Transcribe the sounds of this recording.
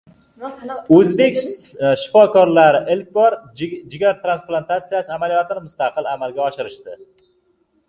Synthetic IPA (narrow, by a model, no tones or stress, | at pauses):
ɵzbe̞kʲʃɪ̥fɒkɒɾlaɾɪʔɪlkʲbɒɾd͡ʒɪɡʲaɾt̪ɾansplˠant̪at̪sijasɪamalijɒt̪ʰɪnmʊst̪aqɨlamalɡʲaɒʃɪɾɪʃt̪ɪ